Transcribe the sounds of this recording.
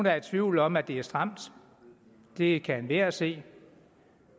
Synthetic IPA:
nd̥ɑ̈ɐd̥̚t͡sʰʋiʊ̰lɒ̽mæd̥e̝æɐsd̥ʁɑ̈m̰d̥ | d̥e̝kʰæænʋeɐ̰æse̝̰ː

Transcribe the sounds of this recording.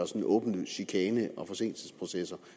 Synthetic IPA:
ɐsɒnʔɔ̽ːb̥n̩əɕykʰɛːnəʔɒ̽fɒ̽se̝̰n̰l̩səspʰʁo̝sesɐ

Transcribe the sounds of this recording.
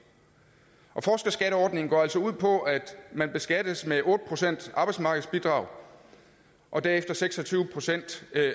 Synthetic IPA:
ʔɒ̽fɒːsɡ̥ɐsɡ̥æɾəɒːd̥ne̝ŋ̩ɡɒ̰ːæl̰sɒuð̰ˠpʰɒ̽æd̥mænb̥e̝sɡ̥æd̥əsmeʔɔ̽ːd̥əpʰʁo̝sen̰d̥ɑ̈b̥ɑɪ̥smɑ̈ːɡ̥ð̩ˠsb̥id̥ʁɑ̈ːʊ̰ | ʔɒ̽d̥æɐefd̥ɐseɡ̥sɒ̽t͡sʰyːʊəpʰʁo̝sen̰d̥

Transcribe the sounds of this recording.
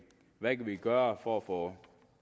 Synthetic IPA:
ʋækʰæʋiɡ̥œːɐfɒfɔ

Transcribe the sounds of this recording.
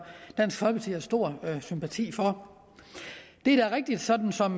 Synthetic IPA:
d̥æn̰sɡ̥fɒ̽lpʰɑt͡sʰḭæsd̥o̝ɐ̰sympʰæt͡sʰḭːfɒ̽ | d̥e̝ɾ̥æɐʁeɡ̥̚d̥id̥sɒ̽d̥n̩sɒ̽m

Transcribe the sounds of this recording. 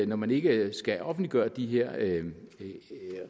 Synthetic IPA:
nɒmæne̝ɡ̥əsɡ̥æʔɒ̽fn̩dliɡ̥ɶːɐd̥iɦeɐ̰

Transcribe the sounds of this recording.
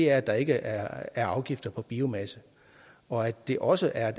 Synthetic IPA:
e̝æɐæd̥ɑ̈e̝ɡ̥əʔææɐɑ̈ʊɡ̥ifd̥ɐpʰɒ̽b̥iːomæsə | ɒ̽æd̥e̝ʔɒ̽səʔæɐ

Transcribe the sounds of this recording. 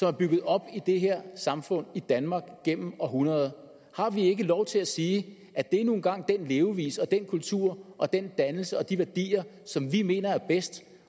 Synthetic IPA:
sɒ̽mæɐb̥yɡ̥ð̞̩ˠɒ̽b̥id̥e̝ɦeɐ̰sɑ̈mfɔ̽n̰id̥ænmɑ̈ɡ̥ɡ̥em̰m̩ɒ̽ɦunɐð̞ˠ | hɑ̈ʋie̝ɡ̥əlɒʊt͡sʰe̝læsiː | ʔæd̥e̝æɐnu̝ːn̩ɡ̥ɑ̈ŋ̰d̥enle̝ːʊʋḭːsɒ̽d̥enkʰult͡sʰuɐ̰ʔɒ̽d̥end̥ænl̩səɒ̽d̥iʋæɐd̥ḭːɐ | sɒ̽mʋime̝̰ːnɐæɐb̥esd̥

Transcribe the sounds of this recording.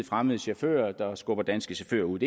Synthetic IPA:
fʁaməðˠəɕæfø̰ːɐd̥ɑ̈sɡ̥ɔ̽b̥ɐd̥æn̰sɡ̥əɕæfø̰ːɐuð̰ˠe

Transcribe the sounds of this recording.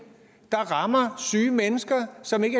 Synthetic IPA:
d̥ɑ̈ʁɑ̈mɐsyːmenəsɡ̥ɐsɒ̽me̝ɡ̥ə

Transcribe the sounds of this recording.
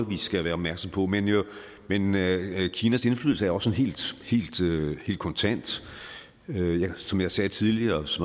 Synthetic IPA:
ʋisɡ̥æʋæɐɒb̥mæɐɡ̥sɑmpʰɒ̽menjo | menkʰiːnæse̝nflyːðˠl̩səæɐɒ̽sɔ̽nɦe̝̰ːld̥he̝̰ːld̥øhe̝̰ːld̥kʰɒ̽nt͡sʰæn̰d̥ | øjɑsɒ̽mjɑ̈ɪsɛːt͡sʰiðˠliɐsɒm

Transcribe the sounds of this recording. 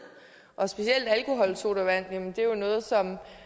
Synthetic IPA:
ʔɒ̽sb̥e̝ɕiel̰d̥ælkʰo̝ɦɒ̽l̰so̝ɾ̥æʋæn̰jɛmənd̥e̝jo̝nɔ̽ːð̞̩ˠsɒ̽m

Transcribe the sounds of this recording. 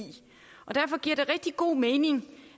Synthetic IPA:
ḭ | ʔɒ̽d̥æɐfɒ̽ɡ̥iɐ̰ɾ̥e̝ʁɛɡ̥̚d̥iɡ̥o̝̰ːmeːne̝ŋ

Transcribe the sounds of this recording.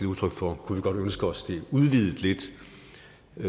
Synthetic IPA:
uðˠt͡sʰœɡ̥fɒkʰuʋiɡ̥ɒ̽d̥ønsɡ̥əɒ̽sd̥e̝uðˠʋið̞̰ˠð̩ˠle̝d̥

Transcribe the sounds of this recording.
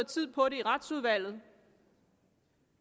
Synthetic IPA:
t͡sʰið̞̰ˠpʰɒ̽ɾe̝iʁɑd̥suð̞ˠʋæl̰ð̞̩ˠ

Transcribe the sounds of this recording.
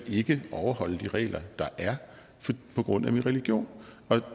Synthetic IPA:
e̝ɡ̥əʔɒʊɐɦɒ̽l̰əd̥iʁɛ̰ːlɐd̥ɑ̈ʔæɐ | fpʰɒ̽ɡ̥ʁɔ̽n̰æminʁɛliɡ̥jo̝̰ːn | ɒ̽

